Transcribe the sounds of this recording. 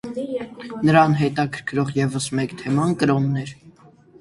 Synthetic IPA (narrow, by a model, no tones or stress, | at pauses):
nəɾɑnɦɛt̪ɑkʰəɾkʰɾɔʁjɛvəsmɛkt̪ʰɛmɑnkəɾɔnːɛɾ